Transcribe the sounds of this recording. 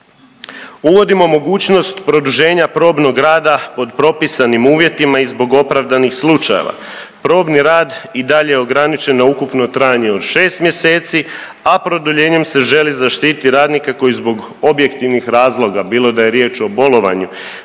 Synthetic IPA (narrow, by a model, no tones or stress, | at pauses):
uʋo̞d̪imo̞mo̞ɡuːt͡ɕno̞st̪pɾo̞d̪uʒe̞ːɲapɾo̞ːbno̞ɡɾaːd̪apo̞d̪pɾo̞pisanimuːʋje̞t̪imaizbo̞ɡo̞pɾaʋd̪anixslˠut͡ʃajḛʋa̰ | pɾo̞ːbniɾaːd̪id̪aʎejeo̞ɡɾanit͡ʃe̞nːaukupno̞t̪ɾaːjaɲe̞o̞d̪ʃe̞ːst̪mje̞se̞ːt̪si | apɾo̞d̪uʎe̞ːɲe̞mse̞ʒe̞lizaʃt̪iːt̪iɾaːd̪nikako̞jizbo̞ɡ | o̞bje̞kt̪iʋnixɾaːzlˠo̞ɡabiːlo̞d̪aje̞ɾjet͡ʃo̞bo̞lo̞ʋa̰ɲu